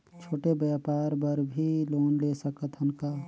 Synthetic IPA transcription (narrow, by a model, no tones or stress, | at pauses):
t͡ʃʰoːʈebjapaːɾbəɾbʱiloːnlesəkət̪ɦənka